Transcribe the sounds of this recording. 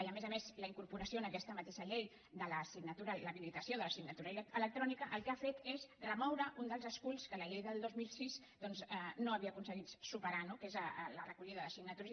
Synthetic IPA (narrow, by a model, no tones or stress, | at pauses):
iəmezəmezləiŋkuɾpuɾəsionəkɛst̪əmət̪eʃəʎej | d̪ələsiɡnət̪uɾələβilit̪əsioðələsiɡnət̪uɾəilələk̚t̪ɾɔnikəʔəlˠkafet̪ezrəmɔwɾəʔund̪əlˠzəskulskələʎejðəlˠd̪ozmilˠsiz | d̪ɔnzənoəβiəːkunsəɣit̪supəɾanokezələrəkuʎiðəðəsiɡnət̪uɾ